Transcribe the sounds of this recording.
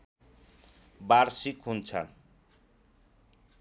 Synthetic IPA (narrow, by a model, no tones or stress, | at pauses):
baɾsikɦunt͡sʰʌ̰n